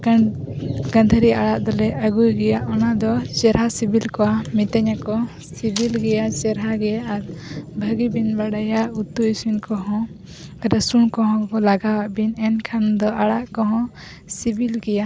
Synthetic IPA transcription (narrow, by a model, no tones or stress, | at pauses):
kan | ɡãnd̪ʱəɾiaɽaʔd̪ɔlɛʔəɡujɡɛjaʔɔnad̪ɔt͡ʃɛɾɦasibʱilkɔwamit̪ɛɲakɔ | sibilɡɛjat͡ʃɛɾɦaɡɛjaʔːɾbʱəɡibinbaɽajaʔut̪ːuisminkɔɦɔ̃ | ɛɾasuɳkɔɦɔ̃kɔlaɡawaʔbinɛnkʰand̪ɔʔaɽaʔkɔɦɔ̃ | sibilɡɛja